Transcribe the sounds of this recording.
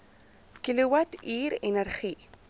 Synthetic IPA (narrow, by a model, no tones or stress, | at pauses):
kiliwat̪iːɾenɛrχi